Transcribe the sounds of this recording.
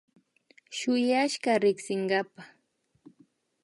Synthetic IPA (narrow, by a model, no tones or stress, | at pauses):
ʃʊjaʃɢaɾɪksɪɴɢɑpa